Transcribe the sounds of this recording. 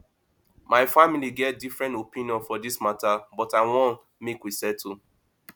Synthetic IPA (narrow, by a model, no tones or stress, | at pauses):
mʔaɪfamiliɡɛt̚difɹɛ̃ntopĩnijɔ̃nfɔdismatabɔtaɪwɔ̃n | mekwisɛtʰu